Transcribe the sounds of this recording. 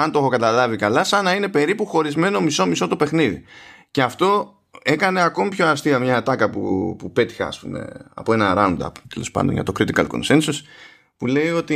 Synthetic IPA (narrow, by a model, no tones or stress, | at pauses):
ɐnt̪oxokɐt̪ɐlɐvikɐlɐsɐnɐine̞pe̞ɾipuxo̞ɾizme̞no̞miso̞miso̞t̪o̞pe̞xniðḭce̞ɐft̪o̞ | e̞kɐne̞ako̞mipço̞ɐst̪iɐmɲɐt̪ɐkɐpṵpupe̞t̪i̥xɐ̰ːspṵme̞̰ɐ̰po̞enɐɾɐund̪ɐ̰t̪elo̞spɐ̰nd̪onjɐ̰t̪o̞kɾit̪ikɐ̰lkonsensos | pule̞jo̞t̪i